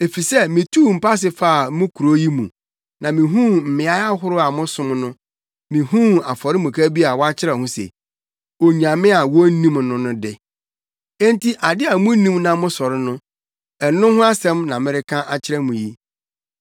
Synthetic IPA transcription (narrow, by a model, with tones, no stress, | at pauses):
e˨fi˨sɛ˦mɪ̃˨tʰuː˦˨m̩˨pʰa˦s̬ɪ˨faː˦a˨mʊ̃˦kʰu˨ɾo˦ji˦mṵ̃˨ | nã˨mɪ̃˨ɦũ˦m̩˨mɪ̃˨a˦a˦ɦʊ˦ɾʊ˦a˨mʊ̃˦sʊ̃˦mnʊ̃˦ | mɪ̃˨hũ˦a˨fɔ˨ɾɪ˦mũ˨kʰa˦bi˦a˨wɔ˦a˦t͡ɕʰɪ˦ɾɛ˨hʊ̃˦sḛ˨ | o˨ɲã˨mɪ̃˦a˨wɔ˦nĩ˦mnʊ̃˦nʊ̃˦dɪ˨ | ɛ̃˦n˦tʰi˦ʔa˨dɪ˦a˨˦mʊ̃˦nĩ˦mnã˨mʊ̃˦sɔ˨ɾɪ˦nʊ̃˦ | ɛ˨nʊ̃˦hʊ̃˦a˦sɛ̃˦mnã˨mɪ̃˦ɾɪ˦kʰã˦ʔa˨t͡ɕʰɪ˦ɾɛ˦mũ˨ji˦